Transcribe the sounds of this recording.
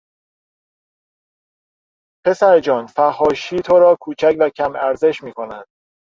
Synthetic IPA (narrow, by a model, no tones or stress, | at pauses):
pʰe̞sæɾed͡ʒɒːnfæhːɒːʃiːt̪ʰoɾɒːkʰuːt͡ʃʰæcvæcʰæmæɾze̞ʃmiːkʰo̞nænd̪̥